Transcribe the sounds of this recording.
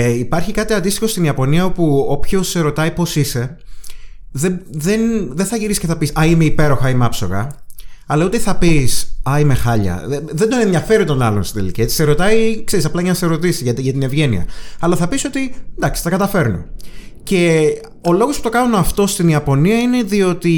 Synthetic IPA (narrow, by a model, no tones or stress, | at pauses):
ipɐɾçikɐt̪iɐnd̪ist̪ixo̞st̪iniɐpo̞niɐo̞puopço̞seɾo̞t̪ɐipo̞sise̞ | ðeðe̞nðenθɐʝiɾisi̥ceθɐpisɐimeipe̞ɾo̞xɐimɐpso̞ɣɐ̰ɐlɐut̪eθɐpisɐime̞xɐʎɐ̰eðe̞nd̪o̞nend̪jɐfe̞ɾit̪o̞nɐlo̞nst̪i̥t̪eliciei̥se̞ɾo̞t̪ɐjikseɾisɐplɐʝɐnɐseɾo̞t̪isiʝɐt̪iʝɐt̪ine̞vʝe̞nḭɐ̰ɐlɐθɐpiso̞t̪id̪ɐksi̥t̪ɐkɐt̪ɐfe̞ɾno̰ | ce̞ | o̞lo̞ɣospu̥t̪o̞kɐnunɐft̪o̞st̪iniɐpo̞niɐine̞ðio̞t̪i